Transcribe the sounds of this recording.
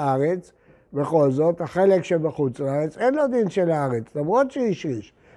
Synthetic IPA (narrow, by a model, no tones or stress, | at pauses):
aʁet͡s | beχo̞lzo̞t̪haχe̞lekʃebeχut͡slaaʁet͡senlo̞d̪inʃelaaʁet͡slamʁod̪ʃeiʃʁiʃ